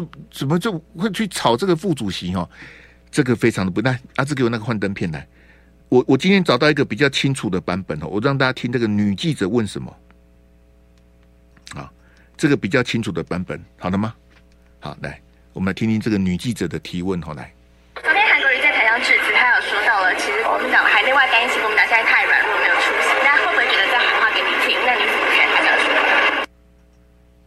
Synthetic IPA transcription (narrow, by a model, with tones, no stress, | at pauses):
t͡sə˨˩mə˦t͡ɕo˥˧ʊxwe˥˧ɪt͡ɕʰy˥˩t͡sʰɑ˨˩ʊʈ͡ʂə˥˩ɡə˨˩fu˥˩t͡su˨˩ɕi˧˦xɔ˥˧ | ʈ͡ʂɤ˥˩ɡə˨fe˥ɪʈ͡ʂʰɑ˧ŋd̪ə˧p̬u˧˥na˥˩a˥˩t͡s̬̩˥˩ke˥˨˩n˥ɡə˨xwa˥˧nt̪ə˥˦npʰjɛ˥˩nla̰˨˧˦ɪ | wɔ˨˦wɔ˨˩t͡ɕi˥nt̪ʰjɛ˥nt͡sɑ˨˩ʊt̪ɑ˥˩ʊi˥ɡə˨pi˨˩t͡ɕjɑ˥˩ʊt͡ɕʰi˦˥ŋt͡sʰu˨˩d̪ə˨pa˧˥npə˨nxɔ̰˧˩wɔ˨˩ɑ˥˧ŋt̪a˥˧t͡ɕja˥t̪ʰi˦ŋna˥˩ɡə˨˩ny˨˩t͡ɕi˥˩ʈ͡ʂə˨˩˦wə˥˩nʂə˨˦nmə̰˨˦ | hɑ̰˨˩ | ʈ͡ʂɤ˥˩ɡə˩pi˨˩t͡ɕjɑ˥˩ʊt͡ɕʰi˥ŋt͡sʰu˨˩d̪ə˩pa˧˥npə̰˨˩˦nxɑ˨˩ʊd̪ə˦˧ma˨ | hɑ̰˨˩la̰˧˩ɪ | wɔ˨˩mə˦n˧˩t̪ʰi˥˦nʰi˥nʈ͡ʂɤ˥˩ɡə˨˩ny˨˩t͡ɕi˥˩ʈ͡ʂə˨˩d̪ə˦t̪ʰi˨˧˥wə˥˨nxɑ˨˧ʊla̰˧˦ɪ | o˥t̪ʰe˥xʰa˧˥k̪o˧˥˩t͡ɕɛ˥˩tʰa˧˥ɪɑ˥ŋʈ͡ʂɻ̩˥˩t͡sɹ̩˧˥˩t̪ʰa˥jo˨˩ʊʂwɔ˥t̪ɑ˥˩ʊlə˨˩t͡ɕʰi˧˥ʂɻ̩˧˥kwɔ˧˥mi˧˥nt̪ɑ˨˩ŋxa˧˥ɪme˥ɪwa˥˩ɪk̪a˥ni˥˩ɕʰi˧˩kɔ˧mi˧˥˨t̪ʰa˥˩ɪɻwa˨˩˦nlu˥˩me˧˥jo˨˩ʊʈ͡ʂʰu˥ɕi˥˧ŋt̪a˥xo˥˧ʊxwe˥˩ɪt͡ɕɥɛ˧˥d̪ə˧t͡sxa˨˧˦xwa˥˧˩ke˧˥ɪni˨˩t̪ʰi˥˩˥na˥˩ni˧˥t͡sə˨˩ə˧˥kʰa˥˩t̪ʰa˧˥t͡ɕʂɔ˥˧˩